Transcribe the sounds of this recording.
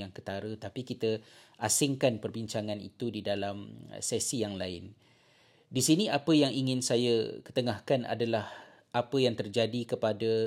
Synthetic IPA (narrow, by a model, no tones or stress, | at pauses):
jaŋkət̪aɾət̪apikit̪əʔasɪŋkanpərbiɲt͡ʃaŋanḭt̪udidalam̰sɛsijaŋlaɪn | disiniapəjaŋiŋɪnsajakə̥t̪əŋahkana̰dalah | ʔapəjaŋt̪ərd͡ʒadikəpada